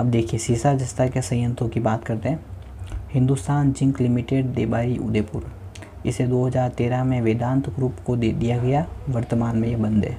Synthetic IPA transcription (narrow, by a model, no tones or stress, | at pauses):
ɐp̚d̪eːkʰijesiːsad͡ʒɐst̪akjasɐ̃jjə̃nt̪õkibaːt̪kɐɾt̪eɦɛ̃ | hɪ̃nd̪ust̪aːnd͡ʒɪ̃ŋklɪmiʈeːɖd̪eːbaːɾiʔʊ̰d̪eːpʊɾ | ɪsed̪oːɦɐzaːɾt̪eːɾamẽʋeːd̪ãːnt̪ɡɾuːpkod̪ed̪ijaɡɐjaʋəɾt̪əmaːnmẽjebɐ̃nd̪ʱɦɛ̰ː